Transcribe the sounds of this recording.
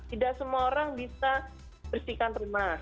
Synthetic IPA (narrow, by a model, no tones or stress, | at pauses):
t̪idaʔsəmuaoɾaŋbisa | bərsikanrumah